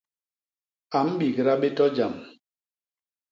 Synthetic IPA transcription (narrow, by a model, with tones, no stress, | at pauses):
a˨m̩˦ɓi˨ɡə˨ɾa˦ɓe˦tɔ˦d͡ʒa˨m